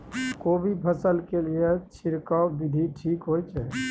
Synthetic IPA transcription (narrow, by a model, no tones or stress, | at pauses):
kobipʰəsəlkeliet͡ʃʰiɾkəbid̪ʱiʈʰiːkɦojt͡ʃʰɛ